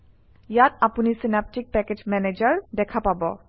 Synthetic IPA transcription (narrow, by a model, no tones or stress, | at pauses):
jatapunisinap̚tik̚pɛked͡ʒmɛned͡ʒaɹdɛkʰapabɔ̰